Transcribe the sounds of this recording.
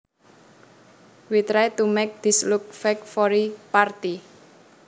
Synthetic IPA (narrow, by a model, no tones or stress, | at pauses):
wit̪ɾaet̪umɛk̚d̪̥islʊk̚fɛkfɔɾipart̪i